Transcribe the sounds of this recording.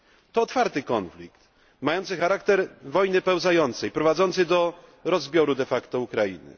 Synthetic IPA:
t̪ɔːt̪faɾt̪ɘkɔnflʲikt̪ | majɔnt̪sɘxaɾakt̪ɛɾvɔjnɘpɛwzajɔnt̪sɛjpɾɔvad̪zɔnt̪sɛjd̪ɔɾɔzbʲjɔɾud̪ɛfakt̪ɔukɾajḭnɘ̰

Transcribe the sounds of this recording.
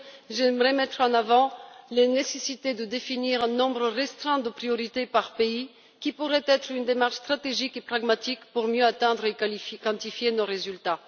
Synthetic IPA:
ʒɛmʁɛmɛt̪χɑ̃navɑ̃lenesesit̪ed̪əd̪efiniʁɛ̃nɔ̃bʁəʁɛst̪χɛ̃d̪əpχijɔʁit̪epaʁpei | kʲipuʁɛt̪ɛt̪χynd̪emaʁʃst̪χat̪eʒikepχaɡmat̪ikpuʁmjøat̪ɛ̃d̪ʁekɑ̃t̪ifjenoʁezylt̪a

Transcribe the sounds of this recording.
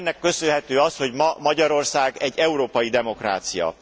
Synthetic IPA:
nːɛkːø̞sølɦɛt̪øːɒsho̞ɟmɒmɒɟɒɾo̞rsaːɡɛɟːɛuɾoːpɒjid̪ɛmo̞kra̰ːt̪sijɒ̰

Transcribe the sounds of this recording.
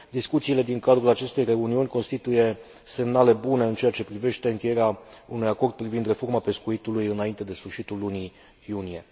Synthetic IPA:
d̪iskut̪siːle̞d̪iŋkad̪ɾulat͡ʃe̞st̪e̞jre̞uniunʲko̞nst̪it̪uje̞ | se̞mnale̞bune̞ɨnt͡ʃe̞at͡ʃe̞pɾive̞ʃt̪e̞ɨŋkʲe̞jeɾeaunujako̞rd̪̚pɾivind̪re̞fo̞rmape̞skuit̪ulujɨnaint̪e̞d̪e̞sfɨrʃit̪ulːuni | junije̞

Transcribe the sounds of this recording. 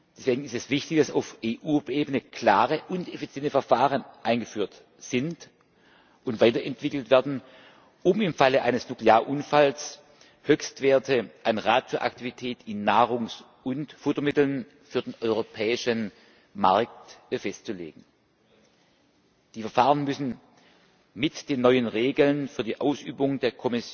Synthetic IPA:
d̥ɛsv̥eːɡŋ̩ɪstɛsv̥ɪçtɪçd̥asa̰ʊfʔeːʔuːʔeːbənəkʰl̥aːʁəʔʊntefit͡sjɛntəfɐfaːʁənʔaɪnɡəfyːɐt | z̥ɪnt | ʔʊntv̥aɪtɐʔɛntv̥ɪkl̩tv̥ɛɐdn̩ | ʔʊmɪmfaləʔaɪnəsnukleaːɐʔʊnfals | høçstv̥eːɐtʰəʔanʁaːtfyːɐʔa̰ktivitʰɛːtɪnːaːʁ̞ʊŋs | ʔʊntfʊtomɪtl̩n | fyːɐdeːnʔɔʏʁopʰɛːɪʃən | maɐk̚tfɛstt͡sulḛːɡŋ̩ | d̥iːfɛɐfaːʁənmʏsn̩ | mɪtd̥eːnːɔʏənʁeːɡl̩nfyːɐdiːʔaʊsʔy̰ːbʊŋdeːɐkʰɔmɪsj

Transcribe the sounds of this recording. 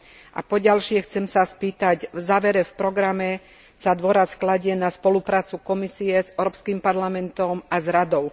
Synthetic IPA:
ʔa̰pɔɟalʃɪɛxt͡sɛmsaspiːt̪aɟvzaːʋɛɾɛfpɾɔɡɾamɛ | sad̪ʋɔɾasklaɟɪɛnaspɔlupɾaːt͡sukɔmisiɛzɛʊɾɔːpskimpaɾlamɛnt̪ɔmazɾad̪ɔʊ

